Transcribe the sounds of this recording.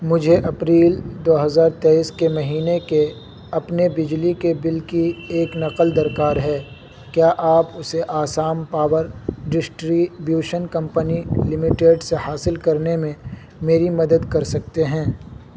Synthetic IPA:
mʊd͡ʒʱeʔɐpɾiːld̪oːɦɐzaːɾt̪eːiːskemɐɦiːneke | ɐpnebɪd͡ʒlikebɪlkieːknɐqəld̪ɐɾkaːɾɦɛː | kjaːʔaːpʊseʔaːsaːmpaːwəɾɖɪsʈɾibjuːʃənkɐ̃mpənilɪmɪʈeːɖsehaːsɪlkɐɾnemẽ | meːɾimɐd̪əd̪kɐɾsɐk̚t̪eɦɛ̃ː

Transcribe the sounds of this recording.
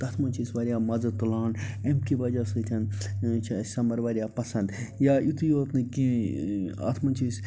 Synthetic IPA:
t̪ɐt̪ʰmɐnʲt͡ʃʰisʋaɾjaːmɐzɐt̪ulaːnemkiʋɐd͡ʒasut̪ʰʲɐnt͡ʃʰasɐmɐɾʋaːɾijapɐsɐ̃nd̪jaʔit̪ʰujot̪nɨki | ɐ̰t̪ʰmɐnt͡ʃʰis

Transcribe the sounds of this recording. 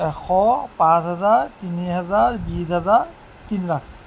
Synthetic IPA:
ɛxʰɔpãsɦɛzaɹtiniɦɛzaɹbisɦɛzaɹ | tinlak̚ʰ

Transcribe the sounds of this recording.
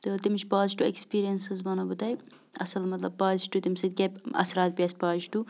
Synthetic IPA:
t̪ɨt̪imʃt͡ʃpaːzʈuḛkspiːɾijɐnsɨzbɐnɐbɨt̪ɐj | ɐsɐlmɐt̪lɐb̚paːzʃʈut̪imsɐd̪̚kʲɐbɐ̰sɾaːt̪̚bijasʲpaːzʈu

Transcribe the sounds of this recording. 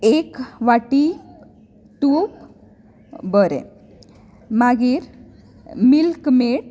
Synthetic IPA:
ekʋaʈi | ʈup | bəɾḛ̃ | maɡiːɾ | milkmeʈ

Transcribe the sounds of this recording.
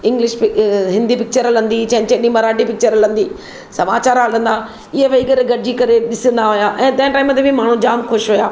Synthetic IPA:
ɪ̃ŋɡlɪʃpɪɦɪ̃nd̪ipɪk̚t͡ɕəɾəlɐ̃nd̪it͡ɕɐ̃t͡ɕɐ̃ɗĩmɐɾaːʈipɪk̚t͡ɕəɾlə̃nd̪iː | sɐmaːt͡ɕaːɾaːlə̃nd̪aː | ɪɦeʋeikɐɾeɡɐɽd͡ʑikɐɾeɗɪsə̃nd̪aɦʊjaːʔɛ̃ːt̪ɐ̃ɦɪ̃ʈaːɪmə̃t̪ebʱimaːɳ̤ũd͡ʑaːmxʊʃɦʊjaː

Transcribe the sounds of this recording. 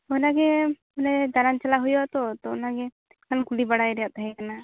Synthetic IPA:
ɔnaɡɛ | ɔnɛd̪aɾant͡ʃalaɦujɔt̪ɔt̪ɔnaɡɛ | kankulibaɽajɾɛjaʔt̪aɦɛkana

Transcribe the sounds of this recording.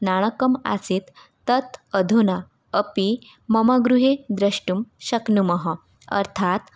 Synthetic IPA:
naɽ̃əkəma̰siːt̪ː | ət̪əd̪ʱuna | əpi | məmaɡɾuɦed̪ɾəɕʈumɕəknuməɦə | ə̰ɾt̪ʰat̪

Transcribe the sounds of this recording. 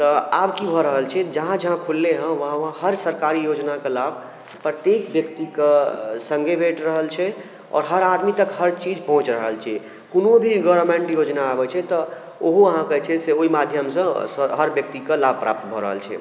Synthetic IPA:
t̪ɔabkibʱɔɾəɦəlt͡ʃʰɛd͡ʒəɦãd͡ʒəɦãkʰulːeɦə̃ʋəɦãʋãhəɾsəɾkaɾijod͡ʒnakelabʱ | pɾət̪jekbjək̚t̪ikesə̃ŋɡʱebʱeʈɾəɦəlt͡ʃʰɛ | ɔ̰ːɾɦəɾad̪mit̪əkhəɾt͡ʃid͡ʒpɔ̃ɦũt͡ʃɾəɦəlt͡ʃʰɛ | kunobʱiɡɔʋəɾmẽɳʈjod͡ʒnaːbɛt͡ʃʰɛt̪ɔ | oɦoəɦãkət͡ʃʰɛseoimad̪ʱjəmsə̃sɦəɾbjək̚t̪ikelab̚ʱpɾa̰p̚t̪bʱɔɾə̰ɦə̰lt͡ʃʰɛ̰

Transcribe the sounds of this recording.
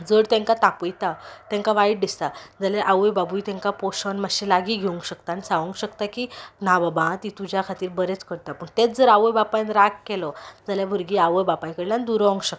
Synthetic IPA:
d͡zəɽt̪ɛ̃ŋkat̪apəjt̪at̪ẽŋkaʋaiʈ̚ɖ̪ist̪ad͡zaljaʔawəjbabujt̪ẽŋkapɔɕɔnmaɕĩlaɡiɡʱeuŋkɕəkt̪anisaʋə̃ŋkɕəkt̪akinababãt̪it̪ud͡ʑjakʰat̪iːɾbəɾet͡skəɽt̪apəɳt̪et͡sd͡zəɾaʋəjbapajnɾakkɛlɔd͡zaljabʱuɾɡiaʋəjbapajkəɽland̪uɾəʋə̃ŋɡɕəkt̪

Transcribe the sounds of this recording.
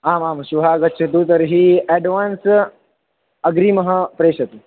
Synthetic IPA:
aːmaːmɕuʋɦaɡɐtːt͡ʃʰɐt̪̬ut̪əɾɦiːɛɖʋaːns | ɐɡɾiːmɐɦəpɾeːɕɐt̪u

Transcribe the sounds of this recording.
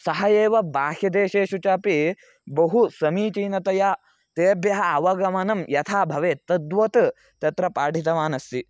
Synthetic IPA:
sɐɦɐjeːʋɐbaːhjɐd̪eːʃeːʃut͡ʃaːpi | bɐɦusɐmiːt͡ʃiːnɐt̪ɐjaː | t̪eːbʱjɐɦɐɐʋɐɡɐmɐnɐmjɐt̪ʰaːbʱɐʋeːt̪ɐd̪ʋɐt̪ | t̪ɐt̪ɾɐpaːʈit̪ɐʋaːnɐst̪i

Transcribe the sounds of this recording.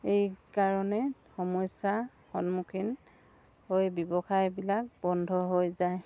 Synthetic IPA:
ejkaɹɔnɛxɔmɔjsa | xɔnmukʰin | hojbɔbɔxajbilak̚bɔndʱɔɦojzaj

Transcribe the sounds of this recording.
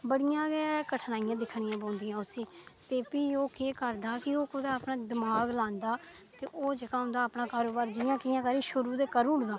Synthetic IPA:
bəɽɪjãːɡɛːkəʈʰnaːijãːd̪ɪkʰɳɪjãːbõːnd̪ɪjãːʊsĩːt̪eːpiːoːkeːkəɾd̪aːkɪoːkʊd̪aːpnãːd̪ɪmaːɡlãːnd̪aː | t̪eːʔoːd͡ʒekaːɦʊ̃nd̪aːpɳãːkaːɾoːbaːɾd͡ʒɪjãːkɪjãːkəɾiːʃʊɾuːd̪eːkəɾuːɳd̪aː

